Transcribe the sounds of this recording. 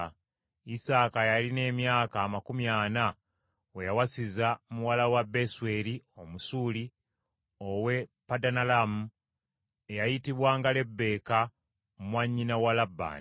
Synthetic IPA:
isaːkajaline̞ːmjaːkaːmakumjaːna | wejawasizamuwalawabe̞swe̞lio̞musuli | owe̞padanalamu | e̞jajitiβwaːŋɡale̞bːe̞ːka | mumwaɲːinawalabːa̰ːn

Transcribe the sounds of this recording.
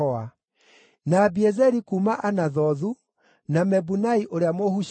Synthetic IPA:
ɔa | nabiɛzɛɾikuːmaʔanaðɔðu | namɛbunaiʔoɾeamohuʃ

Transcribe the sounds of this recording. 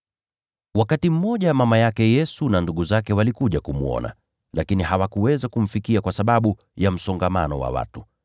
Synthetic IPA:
wakatim̩mːɔʄamamajakɛjɛsunanduɠuzakɛwalikuʄakumṵɔ̰na̰ | lakiniɦawakuwɛzakum̩fikiakwasaɓaɓu | jam̩sɔŋɡama̰nɔ̰wa̰wa̰tu

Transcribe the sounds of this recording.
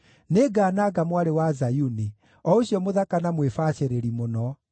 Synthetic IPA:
neɡaːnaːɡamwaɾewazajuni | ɔoɕjɔmoðakanamwefaɕeɾeɾimonɔ

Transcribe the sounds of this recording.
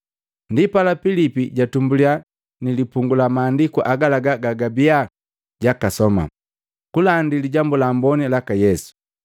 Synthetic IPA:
ndipalapilipiɟatumbulia | nilipuŋɡulamaːndikuʔaɡalaɡaɡaɡabia | ɟakasɔma̰ | kulandiliɟambulambɔnilakajɛsu̥

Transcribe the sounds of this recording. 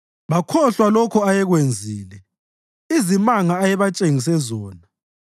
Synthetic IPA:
βakʰɔɬwalɔkʰɔajɛɣwend͡zʱiːlɛ | izimaŋaːjɛβat͡ʃʼeŋis̬ɛzɔːna

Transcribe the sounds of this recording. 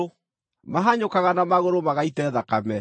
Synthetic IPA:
maɦaɲokaɣanamaɣoɾomaɣaitɛðakamɛ

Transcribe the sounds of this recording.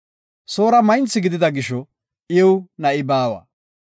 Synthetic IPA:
so̞ːɾɐmɐjnt͡sːɪɡɪd̪ɪd̪ɐɡɪʃɔ | ʔjɛwnɐʔɪbaːwɐ̰

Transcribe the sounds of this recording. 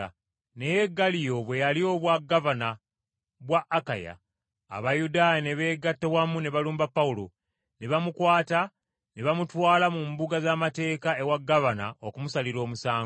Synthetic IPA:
ne̞je̞ɡːalijo̞βwe̞jalio̞βwaɡːavana | βwaʔːkaja̰ː | βajudaːjene̞βe̞ːɡatːewamune̞βaluːmbapːaulo̞ | neβamukwaːta | neβamutwaːlamumbuɡazamate̞ːkae̞waɡːavana̰okumusaliɾo̞ːmusaː

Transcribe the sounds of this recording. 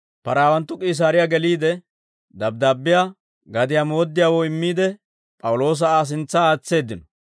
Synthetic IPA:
pɐɾaːwɐnt̪ːʊkʼiːs̬aːɾɪjaɡɛliːd̪ɛ | d̪ɐb̚d̪aːbːɪjaː | ɡɐd̪ɪjaːmo̞ːd̪ːɪjaːwoːɪmːiːd̪ɛ | pʼɐwʊlo̞ːs̬ɐaːs̬ɪnt͡sːaːt͡sːe̞ːd̪ːɪnɔ

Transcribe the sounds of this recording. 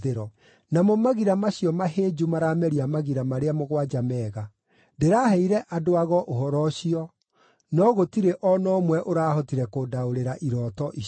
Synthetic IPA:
eɾɔ | namɔmaɣiɾamaɕiɔmaɦeːd͡ʒumaɾaːmɛɾiamaɣiɾamaɾeamoɣwad͡ʒamɛːɣa | ndeɾahɛiɾɛʔadoaɣɔʔoɦɔɾɔɕiɔ | nɔɣotiɾeʔɔnɔmwɛʔoɾaːhɔtiɾɛkodaoɾeɾaʔiɾɔtɔʔi

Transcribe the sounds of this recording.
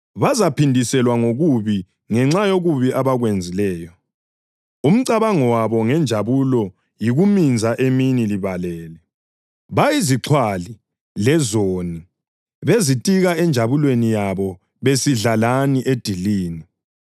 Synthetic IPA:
βazapindʱisɛlwaŋoɣuβi | ŋɛŋ͡ǁajoɣuβiʔaβaɣwend͡zʱilɛːjɔ | um̩ǀaβaŋɔwaβɔŋɛnd͡ʒʱaβulɔ | jiɣumind͡zʱaʔeminiliβalɛːlɛ | βajiziǁʰwali | lɛzoni | βezitʼiɣaɛnd͡ʒʱaβulwenijaβɔ | βesiɮalaniʔed̥ʱiliːni

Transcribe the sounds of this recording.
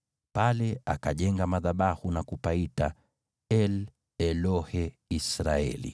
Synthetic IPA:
palɛakaʄɛŋɡamaðaɓahunakupaita | ɛl | ɛlɔhɛ | isɾaɛ̰lḭ

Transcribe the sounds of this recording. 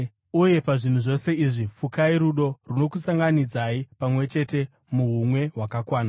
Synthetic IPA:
uje̞paʐin̤uʐo̞se̞iʐifukaiɾuɗo̞runo̞kusaŋɡanid͡zaipamwe̞t͡ʃe̞te̞ | muɦumwe̞ɦwakakwaːna

